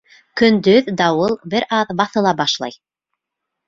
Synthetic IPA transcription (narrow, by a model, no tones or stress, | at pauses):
kɵ̆nd̪ɵðd̪ɑwɤlˠbɘɾɑðbɑθɤ̆lˠɑbɑʃlˠɑ̰j